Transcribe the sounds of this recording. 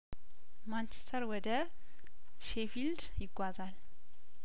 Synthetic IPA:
mant͡ʃe̥st̪ʰəɾwɔd̪ə | ʃefild̪jɪɡʷazal

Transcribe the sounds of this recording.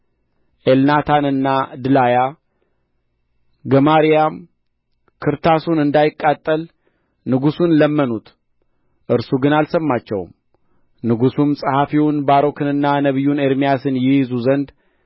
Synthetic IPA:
ʔelnat̪ʰanɨnːad̪ɨlaja | ɡəmaɾijam | kʰɨɾt̪ʰasunɨnd̪ajɪkʼːat̪ʼːəl | nɨɡusunləmːənut̪ | ʔɨɾsuɡɨnalsəmːat͡ʃːɛ̰wm | nɨɡusumsʼɨhafiwʊnbaɾo̞kʰɨnɨnːanəβɨjːuneɾmijasɨnjɪjɪzuzənd̪

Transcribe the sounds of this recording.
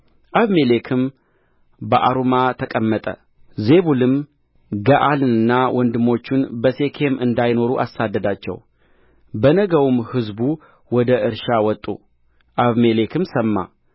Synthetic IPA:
ʔaβmelekʰɨm | bəʔaɾumat̪ʰəkʼəmːət̪ʼə̰ | ze̞βulɨm | ɡəʔalɨnɨnːawʔɔnd̪ɨmo̞t͡ʃːunbəse̞kʰe̞mɨnd̪ajno̞ɾuʔa̰sad̪ːəd̪at͡ʃːɛ̰w | bənəɡəwumhɨzbu | wɔd̪əʔɨɾʃawɔt̪ʼːṵ | ʔaβmelekʰɨmsəmːa̰

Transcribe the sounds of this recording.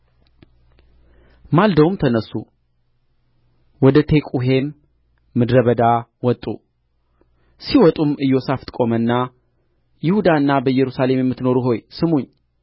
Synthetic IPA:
mald̪əwumt̪ʰənəsːu | wɔd̪ət̪ʰe̞kʼuɦe̞mː | ɨd̪ɾəβəd̪awɔt̪ʼːṵ | siwɔt̪ʼumɨjːo̞saft̪ʼkʼo̞mənːa | jɪhud̪aɨnːabəjːɛɾusale̞mjɛmːɨt̪no̞ɾuɦo̞jsɨmuɲː

